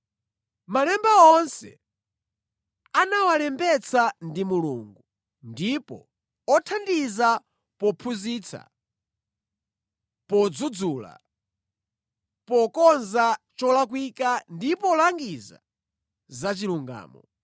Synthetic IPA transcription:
malɛmbaɔnsɛ̰ | anawalɛmbɛt͡sandimuluŋɡu | ndipɔ̰ | ɔtʰandiza | pɔpʰuzit͡sʰa̰ | pɔd͡zud͡zuːla̰ | pɔkɔnzat͡ʃɔlak̬wikandipɔlaŋɡiza̰ | zat͡ʃiluŋɡa̰ːmɔ

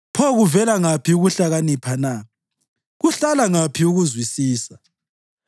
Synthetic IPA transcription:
pʰɔɣuvɛlaŋapʰiuɣuɬaɣanipʰana | ɣuɬalaŋapʰiuɣuzwisiːsa

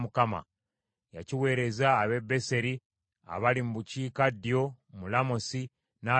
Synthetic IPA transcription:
mukama̰ | ja̰ciwe̞ːɾe̞zaːβe̞be̞se̞ɾi | a̰βalimubuciːkadːjo̞mulamosi | na

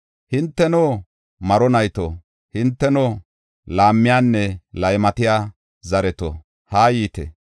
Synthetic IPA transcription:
hɪnt̪ːɛnoː | mɐɾɔnɐjt̪o | hɪnt̪ːɛnɔ | laːmːɪjaːnːɛlɐjmɐt̪ɪjaː | zɐɾɛt̪o̰ | haːjiːt̪ɛ̰

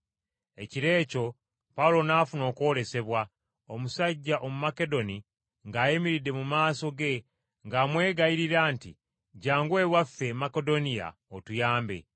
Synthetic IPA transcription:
e̞ciɾe̞ːco̞ | paulo̞naːfuno̞ːkwo̞ːɾe̞se̞βwa | omusaɟːaʔo̞mumake̞do̞ni | ŋɡaːjemiɾide̞mumaːso̞ɡe̞ | ŋɡaːmwe̞ːɡajiɾiɾaːntḭ | ɟaːŋɡwe̞ːwafːe̞makedo̞nija̰otujaːmbe̞̰

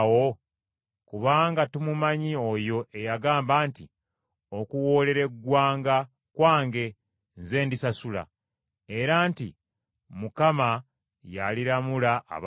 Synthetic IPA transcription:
wo̞ | kuβaːŋɡatumumaɲio̞jo̞ʔe̞jaɡaːmbaːntḭ | o̞kuwo̞ːle̞ɾe̞ɡːwaːŋɡa | kwaːŋɡe̞ | nze̞ːndisasula̰ | e̞ɾaːnti | mukama | jaliɾamulaʔːβ

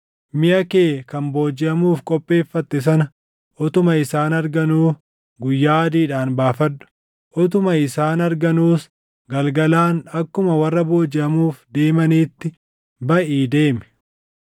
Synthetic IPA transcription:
mɪʔɐkeːkɐnbo̞ːd͡ʒɪʔɐmuːfkʼɔpʼːe̞ːfːɐt̪ːɪs̬ɐnɐ | ʔɔt̪ʊmɐɪsaːnɐɾɡɐnuː | ɡʊjːaːɐd̪iːᶑaːnbaːfɐdːʊ̥ | ʔɔt̪̬ʊmɐɪsaːnɐɾɡɐnuːs | ɡɐlɡɐlaːnɐkːʊmɐwɐrːɐbo̞ːd͡ʒɪʔɐmuːfd̪e̞ːmɐniːt̪ːɪ | bɐʔiːd̪e̞ːmɛ̥

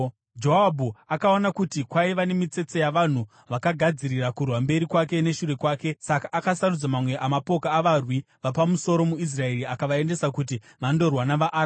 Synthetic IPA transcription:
d͡ʒoɦabʱuakaonakutikwaiʋane̞mit͡se̞t͡sojaʋan̤u | ʋakaɡʱad͡ziɾirakurwambe̞ɾikwake̞ne̞ʃure̞kwaːke̞sakaʔːkasaɾud͡zamamwe̞ʔamapo̞kaːʋarwi | ʋapamuso̞ɾo̞muis̬rae̞ɾiakaʋae̞nde̞sakut̬i | ʋando̞rwanaʋaʔɾ

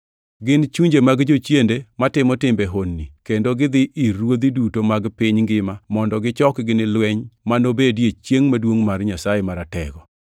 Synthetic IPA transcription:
ɡɪnt͡ʃuɲd͡ʒemaɡd͡ʒot͡ʃjendematɪmɔtɪmbeɦonːikendoɡɪd̪ɪʔiɾwod̪idutomaɡpɪɲŋɡɪmamɔndɔɡɪt͡ʃɔkɡɪnɪlwɛɲmanobedjet͡ʃjeŋmadwoŋmarɲasajemaɾatɛ̰ɡɔ

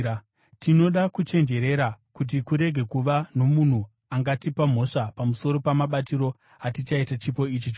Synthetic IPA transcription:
tino̞ɗakut͡ʃe̞nd͡ʒe̞ɾe̞ɾakut̬ikuɾe̞ɡʱe̞kuʋano̞mun̤u | aŋɡatipam̤o̞ʂapamuso̞ɾo̞pamaɓatiɾo̞ | atit͡ʃaitat͡ʃipo̞it͡ʃit͡ʃ

